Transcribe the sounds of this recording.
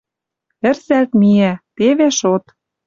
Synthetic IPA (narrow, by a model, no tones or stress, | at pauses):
ɘ̆rsælt̪miæt̪eβeʃot̪